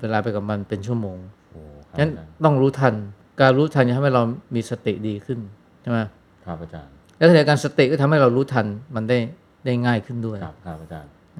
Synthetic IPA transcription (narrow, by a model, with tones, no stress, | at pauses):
weː˧laː˧pa˧jka˨˩p̚ma˧npe˧nt͡ɕʰu˥˩əmoː˧ŋ | o˩a˦ŋa˦˥t̪ɔ˥˩ŋɾuː˦˥t̪ʰa˧n | kaː˧nɾuː˦˥t̪ʰa˧na˨˩t̪ʰa˧˨ɦa˥˩jɾa˧wmiː˧sa˧t̪ḭ˨˩ʔdiː˧kʰɯ˥˩n | t͡ɕʰa˥˩ma˦˥j | kʰa˧˩ʔa˧˩t͡ɕa̰ː˧n | lɛ˦˥t̪ʰa˨˩˧kaː˧nsa˧t̪i˨˩ʔkɔː˥˩t̪ʰmɦa˥˩jɾa˧wɾuː˦˥t̪ʰa˧nma˧nda˥˩j | da˥˩jŋaː˥˩jkʰɯ˥˩ndu˥˩əjʰʔa˧˩t͡ɕaː˧n